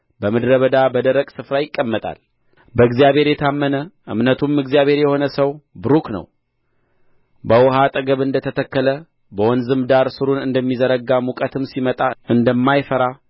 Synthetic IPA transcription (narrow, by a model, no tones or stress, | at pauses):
bəmɨd̪ɾəβəd̪abəd̪əɾəkʼsɨfɾajɪkʼːəmːət̪ʼa̰l | bəɨɡzijaβhe̞ɾjɛt̪ʰamːənəʔɨ̰mnət̪ʰumɨɡzijaβhe̞ɾjɛho̞nəsəwbɨɾuknə̰w | bəwɔɦat̪ʼəɡəβɨnd̪ət̪ʰət̪ʰəkːələ | bəwɔnzɨmd̪aɾsɨɾunɨnd̪əmːizəɾəɡamukʼət̪ʰɨmsimət̪ʼaɨnd̪əmːajfəɾa